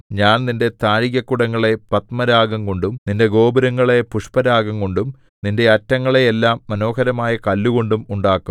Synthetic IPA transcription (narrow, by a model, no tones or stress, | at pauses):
ɲaːnninde̞t̪aːɻiɣɐkːuɽɐŋːɐɭe̞pɐt̪mɐɾaːɡɐŋko̞ɳɖumninde̞ɡo̞ːbɐɾɐŋːɐɭe̞puʂpɐɾaːɡɐŋkoɳɖum | ninde̞ɐtːɐŋːɐɭeːlːaːmːɐno̞ːhɐɾɐmaːjɐkɐlːuɣo̞ɳɖumuɳɖaːkːum